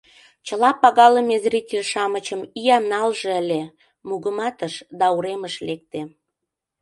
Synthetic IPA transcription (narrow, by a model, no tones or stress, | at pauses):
t͡ɕəlɑpɑɣɑləmezrʲitʲelʲʃɑmət͡ɕəmiɑmnɑlʒĕəlʲe | muɣəmɑt̪əʃd̪ɑuɾeməʃlek̚t̪e